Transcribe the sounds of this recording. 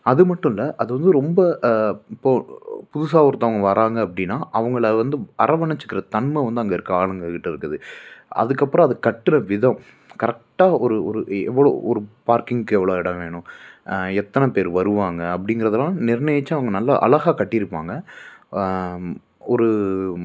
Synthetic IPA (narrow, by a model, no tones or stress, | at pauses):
ɐðɯmɐʈːʊ̃ɪlːɐʔɐðɯʋɐnd̪ɯɾɔmbɐɪpːoːpʊðʊsaːʋɔɾt̪ːɐ̃ʋɐŋɡɐʋɐɾaːŋɡɐːpːɐɽɪnːaːʔɐʋɐŋɡɐɭɐʋɐnd̪ɯɐɾɐʋɐɳɐt͡ʃːɯ̥kːɪɾɐt̪ɐɳmɐʋɐnd̪ɯɐŋɡɐɪɾɯkːɯaːɭɐŋɡɐkɪʈːɪɾɯkːɯðɯɐ̰ðɯkːɐpːɯɾɔ̃ɐðɯkɐʈːɯnɐʋɪðɐ̃m | kɐɾɛk̚ʈːaːɔɾɯɔɾɯɛʋːɐɭo̰ːʔɔɾɯpaːɾkɪŋɡkɛʋːɐɭoːɛɽɐʋeːɳʊ̃ | ɛt̪ːɐnɐpeːɾʋɐɾɯʋaːŋɡɐɐp̬ːɐɽɪŋɡɪɾɐðɐlãːnɪɾnɐjɐt͡ʃːɯɐʋɐŋɡɐnɐlːaʔɐ̰lɐɣaːkɐʈːɪɾɯpːaːŋɡɐ | ɔɾɯ